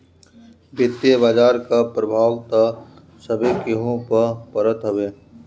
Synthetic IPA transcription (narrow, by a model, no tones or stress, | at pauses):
bʱɪt̪jebaːd͡ʒaːɾkapɾəbʱaːwt̪a | səbekeɦõpəpəɾət̪ɦəʋeː